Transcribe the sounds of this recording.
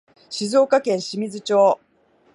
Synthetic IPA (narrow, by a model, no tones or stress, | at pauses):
ɕizo̞ːkakẽ̞ɰ̃ɕimʲizɨt͡ɕo̞ː